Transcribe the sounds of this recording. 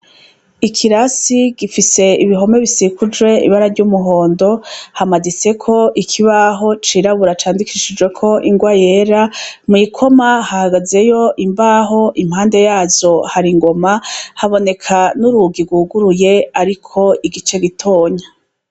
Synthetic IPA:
ikʰiɾasiɡ̥ifise̞iβiɦo̞me̞βisikud͡ʒɡwe̞ḭβaɾavɟuːmuɦo̞ːndo̞hamadit͡se̞kʰo̞ʔikʰiβaɦo̞t͡ʃiːɾaβuɾat͡ʃaːndikʰiʃid͡ʒwe̞kʰo̞ʔiŋɡwajeːɾamŋiːkʰo̞mahahaɡaze̞jo̞ʔimbaːɦo̞ʔimhaːnde̞jaːzo̞haɾiŋɡo̞mahaβo̞ne̞kʰanuɾuɡiɡwuɡuɾuje̞aɾikʰo̞iɡit͡ʃe̞ɡitʰo̞ːɲa

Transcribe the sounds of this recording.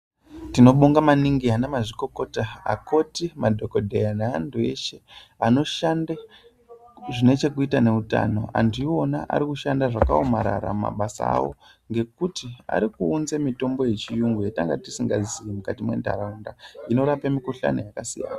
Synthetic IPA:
tino̞ɓoŋɡamaniŋɡianemaʐiko̞ko̞taa̰ko̞timadʱo̞ko̞dʱejanaandue̞̰ʃeano̞ʃanda | ʐine̞t͡ʃe̞kuitane̞uta̰no̞̰a̰ndio̞naʔa̰ɾikuʃandaʐakaomaɾa̰ɾama̰ɓasa̰a̰wo̞̰ | ŋɡe̞kutia̰ɾikuːnzemito̞mbo̞je̞t͡ʃijuŋɡwetaŋɡatisiŋɡaziimukatimwe̞̰nda̰ɾaundaino̞ɾapemikuɬa̰no̰jakasija̰ːna

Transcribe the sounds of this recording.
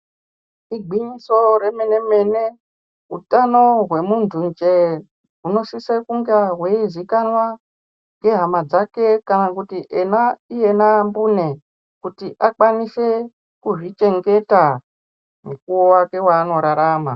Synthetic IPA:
iɡʱiɲiso̞ɾemene̞me̞ne̞ | utano̞ɦwe̞muntʰunt͡ʃe | ɦuno̞sisekuŋɡaɦweizikanwa | ŋɡe̞ɦamad͡zake̞kanakutiʔenaijenambune̞ | kutiʔak͡pwanise̞ | kuʐit͡ʃe̞ŋɡe̞ta | mukuwowake̞waːno̞ɾaɾaːma̰

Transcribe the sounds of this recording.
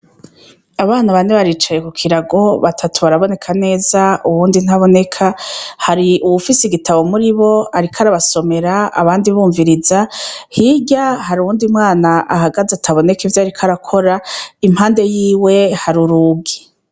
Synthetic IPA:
aβaːnaβaneβaɾiːt͡ʃaje̞kukʰiɾaɡo̞βatʰatuβaɾaβo̞ne̞kʰane̞ːzauβuːndin̥haβo̞ne̞kʰahaɾiʔuβufisiɡitʰaβo̞muɾiβo̞aɾikʰaɾaβaso̞me̞ɾaa̰βaːndiβuːɱviɾizahiɟahaɾuuːndimŋaːnaʔaɦaɡazatʰaβo̞ne̞kivjaːɾikʰaɾakʰo̞ɾaimhaːnde̞jiːwe̞haɾuɾuɡi

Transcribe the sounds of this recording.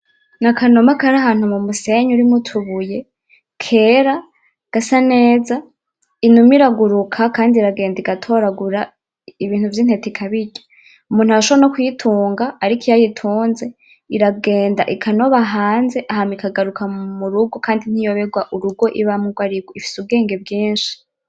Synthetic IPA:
nakʰano̞makaɾaɦaːn̥humumuse̞ɲuɾimutʰuβuje̞ | kʰe̞ːɾa | ɡ̥asane̞ːza | inumiɾaɡuɾukʰakaːndiɾaɡe̞ːndiɡatʰo̞ɾaɡuɾa | iβiːn̥huvjiːn̥hetikʰaβiɟḁ | umuːnhuaaʃoβanokwujitʰuːŋɡaːɾikijajitʰuːnze̞ | iɾaɡe̞ːndaʔikʰano̞βaɦaːnze̞ʔahamikaɡaɾukʰamuɾuɡo̞kaːndin̥hijo̞βe̞ɡwaʔuɾuɡo̞ʔiβamuɡwaɾiɡoifi̥subɡe̞ːŋɡe̞bɡiːnʃi̥

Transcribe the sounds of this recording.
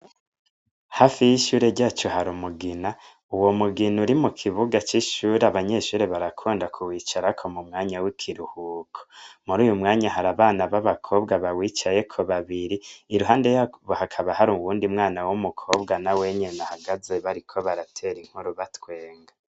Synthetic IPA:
hafijiʃuːɾe̞ɾɟaːt͡ʃoɦaɾumuɡina | uwo̞muɡinuɾimukʰiβuɡat͡ʃiʃuːɾaβaɲe̞ʃuːɾeβaɾakʰuːndakʰuwiːt͡ʃaɾakʰo̞mumŋaːɲawikʰiɾuhuːkʰo̥muɾuːjumŋaːɲaɦaɾaβaːnaβaβakʰo̞ːbɡaβawiːt͡ʃaje̞kʰoβaβiɾiːɾuɦaːnde̞jaβohakʰaβahaɾuwuːndiumŋaːnawumukʰo̞ːbɡanawe̞ɲe̞nahaɡaze̞βaɾikʰo̞βaɾatʰe̞ɾiŋ̥huɾuβatwe̞ːŋɡa

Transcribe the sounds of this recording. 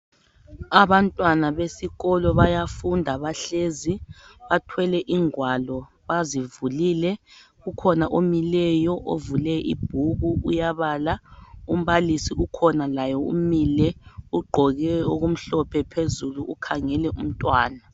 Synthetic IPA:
aβantʼwanaβesiɣɔlɔβajafundʱaβaɬeziβatʰwɛlɛʔiŋwalɔ | βazivuliːlɛ | ɣukʰɔnaʔomilɛjɔʔovulɛʔḭb̥ʱuɣuujaβaːlaum̩βalisiukʰɔnalajɔṵmiːlɛuɡ͡ǃʱɔɣɛoɣum̩ɬɔpʰɛpʰezuluʔukʰaŋɛlɛum̩tʼwaːna

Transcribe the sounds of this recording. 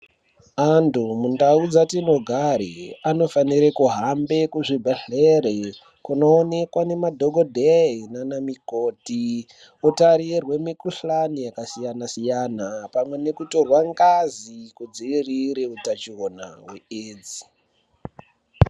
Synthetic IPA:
andumundaud͡zatino̞ɡʱaɾiano̞faniɾekuɦambe̞kuʐibʱeɬeɾe | kuno̞ːne̞kwane̞madʱoɡʱodʱeinanamikoːti | otaɾirwe̞mikuɬanijakasijanasijanapamwe̞ne̞kuto̞rwaŋɡazikud͡ziiriɾeutat͡ʃiwona̰weeːd͡zi

